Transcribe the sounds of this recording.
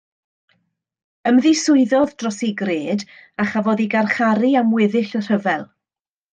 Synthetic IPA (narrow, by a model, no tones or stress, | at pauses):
əmðisʊɨðɔðdrɔsiɡreːdaχavoːdiɡarχaɾiamwɪðɪɬər̥əvɛlˠ